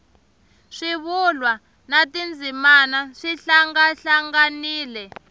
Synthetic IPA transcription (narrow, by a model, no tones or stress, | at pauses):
ʂiβulwa | natind͡zʱimanaʂiɬaŋɡaɬaŋɡaniːlɛ